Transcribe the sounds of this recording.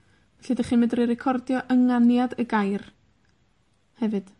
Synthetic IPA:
vɛɬɨdəχinmɪndriɾɛkʰɔrdjɔʔəŋanjadəɡajr | hɛvɨd̥

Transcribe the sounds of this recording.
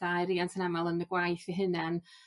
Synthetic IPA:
d̥ajɾiantʰənamalˠənəɡwajθiɦɨnɛn

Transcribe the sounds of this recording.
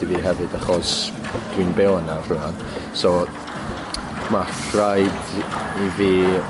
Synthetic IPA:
diviɦɛvɨdaχɔs | d̥winbɛwənavruan | sɔ | mafrajd | iviː

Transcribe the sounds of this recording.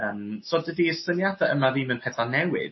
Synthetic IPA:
əːmsɔdədiəsənjadaʔəmavimənpʰɛθanɛwɪ̰ð̥

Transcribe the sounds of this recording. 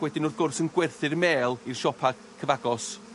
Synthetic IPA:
wɛdɪnʊðɡʊrsənɡwɛrθɨrmeːlˠir̥ʃɔpʰaɡ̥kʰːəvaɡɔs

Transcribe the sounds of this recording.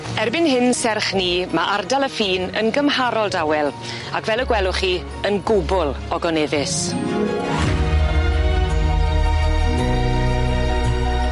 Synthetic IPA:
ɛrbɪnhɪnsɛrχniːmaʔardalˠəfiːnə̰nɡəmhaɾɔlˠdawɛlˠ | akʰvɛlˠəɡwɛlˠʊχiː | ənɡʊbʊlˠ | ɔɡɔnɛðɪs

